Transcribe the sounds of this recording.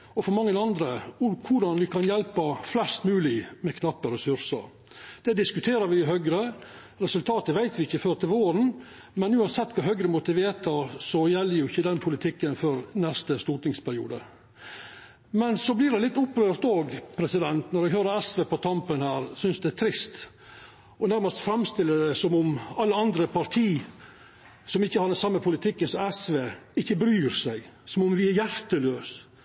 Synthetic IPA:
ɔfɔɾmɑŋːənɑnd̪ɾəʊkʰʊɖɑnʋɪkʰɑnjɛlpəflɛst̪mʉːlɪmɛkʰnɑpːɔɾɛsʉɾsə̰ɾ | d̪̥ɛd̪ɪskʉt̪ʰeːɾəɾʋɪɪɦœɡɾə | ɾɛsʉlt̪ʰɑːt̪əʋæɪt̪ʋɪɪçːəføːɾt̪ɪlʋoːɾən | mɛnʉːɑnsɛt̪ːkʰɑɦœɡɾəmʊt̪ɪʋeːt̪ʰɑsɔjɛlːəɾjʊɪçːəd̪ɛnpʰʊlɪt̪ʰɪkːənfɔɾnɛst̪əst̪uːʈɪŋspʰæɾɪṵːd̪ə̰ | mɛnsɔblɪɖɛlɪt̪ːʊpːɾøːɾt̪oːɡpʰɾɛsɪd̪ɛnt̪nɔɾɛɡɦøːɾəæsʋeːpɔt̪ʰɑmpənhæːɾsʏnsd̪ɛæt̪ʰɾɪst̪ | ɔnæɾməst̪fɾɛmst̪ɪlːəɖ̪ɛsɔmʊmɑlːəɑnd̪ɾəpʰɑɾt̪ʰiː | sɔmɪçːəhɑɖ̪ɛnsɑmːəpʰʊlɪt̪ʰɪkːənsɔmæsʋeːɪçːəbɾyːɾsæɪsɔmʊmʋɪæɾjæɾt̪əløːs

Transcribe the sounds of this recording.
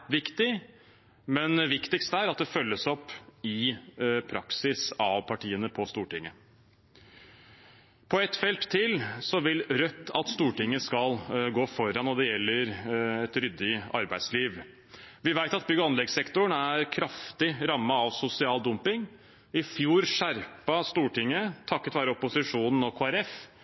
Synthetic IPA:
ʋɪkt̪ɪ | mɛnʋɪkt̪ɪkst̪æːɾɑt̪̚d̪ɛfœlːəsɔpːɪpʰɾɑksɪsɑʋpʰɑʈiːənəpʰɔst̪uːʈɪŋːə | pʰɔɛt̪ːfɛlt̪ʰːɪlsɔʋɪlɾœt̪ʰːɑt̪st̪uːʈɪŋːəskɑlɡoːfɔɾɑnɔd̪ɛjɛlːəɾɛt̪ɾʏd̪ːɪɑ̰ɾbæɪd̪sliːʋ | ʋɪʋæɪt̪ɑt̪̚bʏɡəɑnlɛɡsɛkt̪ʊɳæɾkʰɾɑft̪ɪɾɑmːəɑʋsʊsɪɑːld̪ʊmpɪŋ | ɪfjuːɾʂæɾpɑst̪uːʈɪŋːət̪ʰɑkːət̪ʋæːɾəɔpʊsɪʂuːnn̩ɔkʰoːæɾɛf

